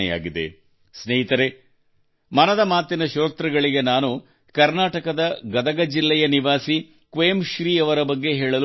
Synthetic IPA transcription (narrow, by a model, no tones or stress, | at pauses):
ɛ̰ja̰ːɡid̪ḛ | sneːɦit̪ɐɾe | mɐnɐd̪ɐmaːt̪inɐʃoːt̪ɾɐɡɐɭiɡe̞naːnu | kɐɾnaːʈɐkɐd̪ɐɡɐd̪ɐɡɐd͡ʒilːɛjɐniʋaːsi | kʋeːmʃɾiːɐʋɐɾɐbɐɡːe̞ɦeːɭɐlu